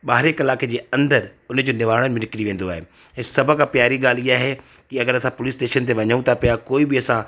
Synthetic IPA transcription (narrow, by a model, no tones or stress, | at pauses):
ɓaːɾekɐlaːked͡ʑeːɐ̃nd̪əɾʊnd͡ʑoːnɪʋaːɽ̃ənɪmɪ̃nɪkɪɽiʋẽːn̆d̪oaːɦḛː | ɪ̃sɐbʱəkãːpjaːɾiɠaːlijaːɦe | kiɐɡəɾɐsãpʊlɪsʈeːʃənt̪eʋɐɲəũt̪ʰapɐjakoːibiɐsã